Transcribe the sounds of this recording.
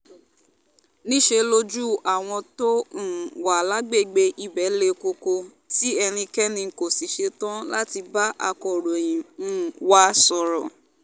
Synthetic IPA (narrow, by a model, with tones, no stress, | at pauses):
nĩ˦ʃe˧lo˦d͡ʒu˦a˨w̃ɔ̃˧to˦˨wa˨la˨˦ɡ͡be˦˨ɡ͡be˧ʔi˧bɛ˨˦le˧ko˧ko˧ | ti˦ɛ˧ɾ̃ĩ˧kɛ˦nĩ˧˨ko˨si˨ʃe˧tã˦la˦ti˧ba˦ʔa˧kɔ˨ɾo˨j̃ĩ˨˦˨wa˧˦sɔ˨ɾɔ˨